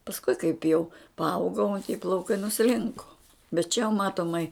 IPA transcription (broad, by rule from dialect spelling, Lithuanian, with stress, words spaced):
pɐsˈkʊɪ kɐɪp jɛʊ pɐˈɐʊɡɐʊ tʲɪ plˠɐʊˈkɐɪ nʊˈsʲlʲɪŋkoː bʲɛt t͡ʃʲɛ jɛʊ ˈmɑːtoːmɐɪ